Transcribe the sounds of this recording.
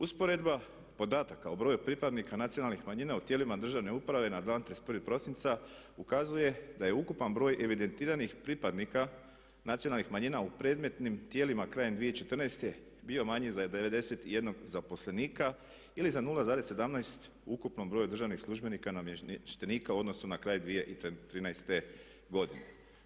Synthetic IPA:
uspo̞ɾe̞d̪ba | po̞d̪aːt̪akaobɾo̞ːjupɾipad̪nikanat̪sijonalˠnixmaɲinaut̪jelimad̪r̩ʒaʋne̞upɾaʋe̞nad̪laːnt̪ɾespɾipɾo̞sint̪sa | ukazuje̞d̪aje̞ukupanbɾo̞ːjʔe̞ʋid̪e̞nt̪iːɾanixpɾipad̪nika | nat̪sijonalnixmaɲiːnaupɾe̞ːd̪me̞t̪nimt̪jeːlimakɾaːjed̪ʋijeit͡ʃe̞t̪rnajst̪e̞ | bio̞maɲizad̪e̞ʋe̞d̪e̞se̞t̪ije̞d̪no̞ɡzapo̞sle̞niːka | ilizanulˠazaːɾe̞sːe̞d̪amnajst̪ | ukupno̞mbɾo̞ːjud̪r̩ʒaʋnixslˠuʒbe̞nikanamʃt̪e̞niːkauo̞d̪no̞sunakɾaːjd̪ʋije̞ʔit̪t̪ɾiːnajst̪e̞ | ɡo̞d̪ine

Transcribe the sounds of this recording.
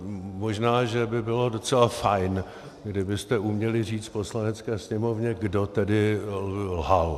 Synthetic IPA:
mo̞ʒnaːʒɛbɪbɪlo̞do̞t͡sɛlafajn | ɡdɪbɪst̪ɛumɲɛlɪr̝iːt͡st̪̚po̞slanɛt͡skɛːsɲɛmo̞vɲɛɡdo̞t̪ɛdɪ | lɦal

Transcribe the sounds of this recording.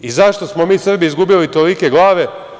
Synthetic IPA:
izaʃt̪o̞smo̞miːsr̩biizɡubilit̪olike̞ɡlˠaːʋe̞

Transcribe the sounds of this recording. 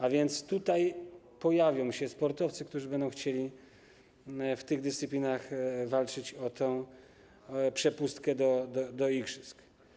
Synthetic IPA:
avʲjɛnt̪st̪ut̪aj | pɔjavʲjɔ̃w̃ɕɛspɔɾt̪ɔft̪sɨkt̪uʐɨbɛnd̪ɔ̃w̃xt͡ɕelʲi | ft̪ɘɣd̪ɨst̪sɘpʲlʲinaxvalt͡ʂɘt͡ɕɔt̪ɛ̃w̃ | pʂɛpust̪kɛd̪ɔd̪ɔd̪ɔiɡʐɨsk

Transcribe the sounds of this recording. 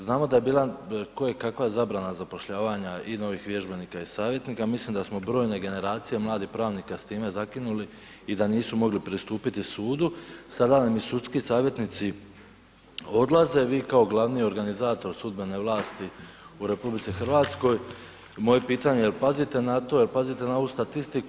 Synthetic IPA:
znaːmo̞d̪aje̞biːlˠakojekakʋajezabɾanazapo̞ʃʎaːʋaɲaino̞ʋiːxʋje̞ʒbe̞niːkaisaːʋje̞t̪niːkamislˠimd̪asmo̞bɾo̞ːjne̞ɡe̞ne̞ɾaːt̪sije̞mlˠaːd̪ixpɾaːʋnikast̪iːme̞zakinuli | id̪aniːsumo̞ɡlipɾist̪uːpit̪isuːd̪usad̪anamisut̪skisaːʋje̞t̪nit̪si | o̞d̪lˠaze̞ʋiːkao̞ɡlˠaʋnijo̞ɾɡanizaːt̪o̞ɾsud̪be̞ne̞ʋlˠaːst̪i | uɾe̞publit̪sixr̩ʋaːt̪sko̞j | mo̞je̞piːt̪aɲejelˠpazit̪e̞nat̪o̞jelpazit̪e̞naoʋust̪at̪ist̪iku

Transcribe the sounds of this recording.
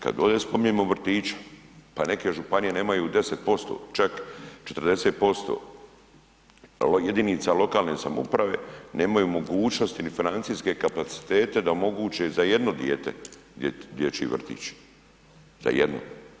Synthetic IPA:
ka̰d̪o̞ːd̪eːspo̞miɲemoʋr̩t̪iːt͡ʃḁpane̞ke̞ʒupanije̞ne̞ːmajuːd̪e̞set̪̚po̞st̪o̞̰ːt͡ʃakt͡ʃet̪r̩d̪e̞set̪̚po̞st̪o̞̰ː | jed̪init̪salo̞kaːlne̞ːsamṵpɾaʋe̞ːne̞ːmajuːmo̞ɡuːt͡ʃno̞st̪inifinant̪siske̞kapat̪si̥t̪e̞ːt̪e̞d̪aomo̞ɡuːt͡ʃezajed̪no̞d̪jeːt̪ḛ | ed̪jet͡ʃḭiʋr̩t̪ḭːt͡ʃ | za̰jḛd̪no̰

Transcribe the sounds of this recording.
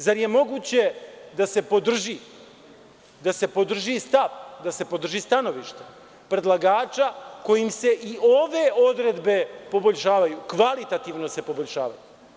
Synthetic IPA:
zaɾje̞mo̞ɡuːt͡ɕe̞d̪ase̞po̞d̪r̩ʒi | d̪ase̞po̞d̪r̩ʒist̪aʋd̪ase̞po̞d̪r̩ʒiːst̪ano̞ʋiʃt̪e | pɾe̞d̪lˠaɡaːt͡ʃako̞jimse̞ʔio̞ʋe̞o̞d̪ɾe̞d̪be̞po̞bo̞ʎʲʃaːʋajukʋalit̪at̪iʋno̞se̞po̞bo̞ʎʲʃa̰ːʋa̰ju

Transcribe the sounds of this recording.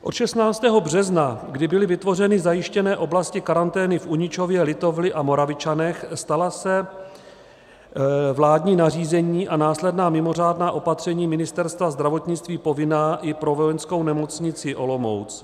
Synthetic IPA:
ʔo̞t̪ʃɛsnaːt͡st̪ɛːɦo̞br̝ɛznaɡdɪbɪlɪvɪt̪vo̞rɛnɪzajɪʃcɛnɛːʔo̞blascɪkaɾant̪ɛːnɪfʔuɲɪt͡ʃo̞vjɛlɪt̪o̞vlɪʔamo̞ɾavɪt͡ʃanɛxst̪alasɛ | vlaːdɲiːnar̝iːzɛɲiːʔanaːslɛdnaːmɪmo̞r̝aːdnaːʔo̞pat̪r̥ɛɲiːmɪnɪst̪ɛɾst̪vazd̪ɾavo̞t̪ɲɪt͡st̪viːpo̞vɪnaːʔɪpɾo̞vo̞jɛnsko̞wnɛmo̞t͡sɲɪt͡sɪʔo̞lo̞mo̞̰wt͡s

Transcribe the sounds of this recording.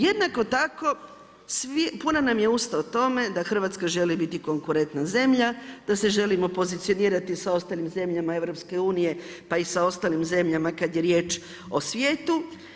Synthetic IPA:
je̞d̪nako̞t̪ako̞ | sʋipunanamje̞ust̪aot̪o̞me̞d̪axr̩ʋat̪skaʒe̞libit̪iko̞ŋkuɾe̞nt̪naze̞mʎad̪̥ase̞ʒe̞limo̞po̞zit̪sijo̞niːɾat̪isao̞st̪aːlimze̞mʎamae̞ʋɾo̞pske̞uːnije̞ | paisao̞st̪aːlimze̞mʎamakad̪je̞ɾje̞ːt͡ʃ | o̞sʋje̞ːt̪u

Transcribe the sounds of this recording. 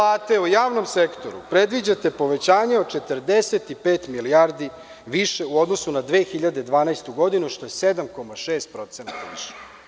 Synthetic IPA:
laːt̪e̞ujaːʋno̞msekt̪o̞ɾṵpɾed̪ʋid͡ʑat̪e̞po̞ʋet͡ɕaːɲeot͡ʃet̪əɾd̪eset̪ipeːt̪milijaɾd̪i | ʋiʃeuo̞d̪nosunad̪ʋeːxiʎad̪e̞d̪ʋaːnajst̪uɡo̞d̪inuʃt̪o̞jesed̪amko̞maʃeːst̪̚pɾo̞t̪senat̪aʋiʃe̥

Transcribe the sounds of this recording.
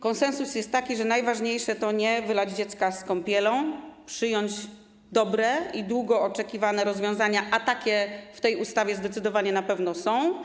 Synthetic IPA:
kɔnsɛnsusjɛst̪ːakʲiʐɛnajvaʐɲejʂɛt̪ɔɲɛvɘlad͡ʑd͡ʑɛt̪skaskɔmpʲjɛlɔ̃w̃pʂɘjɔɲd͡ʑ | d̪ɔbɾɛid̪wuɡɔɔt͡ʂɛkʲivanɛɾɔzvʲjɔ̃w̃zaɲaʔat̪akʲɛft̪ɛjust̪avʲjɛzd̪ɛt̪sɘd̪ɔvaɲɛnapɛvnɔsɔ̃w̃

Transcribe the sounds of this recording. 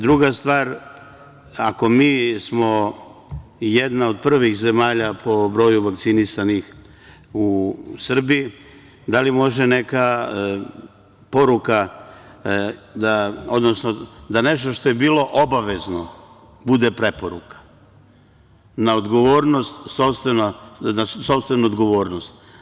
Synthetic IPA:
d̪ɾuɡast̪ʋaːɾ | ako̞miːsmo̞ | jed̪nao̞d̪̚pr̩ʋixze̞maːʎapʰo̞bɾo̞juʋakt̪sinisanix | usr̩bii | d̪alimo̞ʒene̞ka | po̞ɾuka | d̪ao̞d̪nosnod̪ane̞ʃt̪o̞ʃt̪o̞jebiːlˠo̞ʔobaʋezno | bud̪epɾe̞poɾukḁ | naod̪ɡo̞ʋo̞ːɾno̞st̪sopst̪ʋenanaso̞pst̪ʋenuod̪ɡo̞ʋo̞ːɾnost̪

